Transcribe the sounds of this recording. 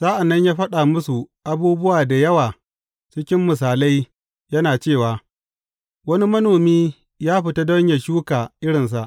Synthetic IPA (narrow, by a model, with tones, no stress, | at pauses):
sa˦ʔa˨nːɐ˦ɲjaː˦ɸɐ˦ɗa˨mʊ˦su˨ʔa˦buː˦bʊ˦waː˨da˨jɐ˦waː˨ | t͡ʃɪ˦kʲɪ˦mːʊ˨s̬aː˨la˦j | jɐ˦naː˨t͡ʃeː˦˨waː˨ | wɐ˦ni˦mɐ˦noː˨miː˦ | jaː˦ɸɪ˨ta˦dɔ˦ɲja˨ʃuː˦kaː˨ʔɪ˦ɽɪ˨ns̬a˦˨ʔ